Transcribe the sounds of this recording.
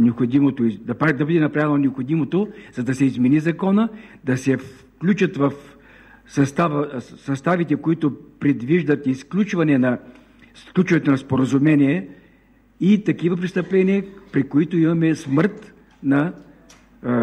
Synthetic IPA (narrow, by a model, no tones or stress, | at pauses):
nɛopxod̪imot̪oid̪ɐpad̪ɐbəd̪ɛnɐpɾavɛlnonɛopxod̪imot̪ozɐd̪ɐsɛizmɛnizɐkɔnəd̪ɐsɛf | klʲut͡ʃət̪vɐf | sɐst̪avəsɐst̪avit̪ɛkoit̪ʊpɾɛd̪viʒd̪ɐt̪isklʲut͡ʃvɐnɛnɐ | sklʲut͡ʃvənɛt̪ʊnɐspoɾɐzumɛnʲiɛ | it̪ɐkivəpɾist̪ɐplɛniəpɾikoit̪ʊimɐmɛsmɤɾt̪ | nɐ